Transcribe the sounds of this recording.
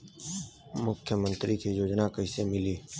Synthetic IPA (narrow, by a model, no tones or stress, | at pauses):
mʊkʰjəmə̃nt̪ɾikijoːd͡ʒnakəɪsemɪliː